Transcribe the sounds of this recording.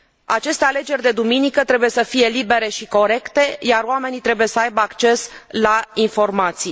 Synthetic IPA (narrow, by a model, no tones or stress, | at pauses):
a̰t͡ʃe̞st̪eale̞d͡ʒe̞rʲd̪e̞d̪uminikət̪ɾe̞buje̞səfije̞libe̞ɾe̞ʃiko̞ɾe̞kt̪e̞jaroame̞nit̪ɾe̞buje̞səajbəakt͡ʃe̞slainfo̞rmat̪si